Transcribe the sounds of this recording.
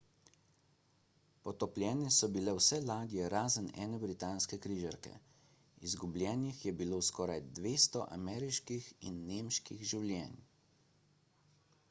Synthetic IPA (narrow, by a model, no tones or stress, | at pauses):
pɔt̪ɔplʲjɛːnɛsɔbilɛwsɛlaːd̪jɛɾaːzənɛ̰ːnɛbɾit̪aːnskɛkɾiːʒaɾkɛ̰ | izɡublʲjɛːnixjɛbiloːskɔːɾajd̪ʋeːst̪ɔʔa̰mɛːɾiʃkixinːeːmʃkiɣʒiwlʲjɛːn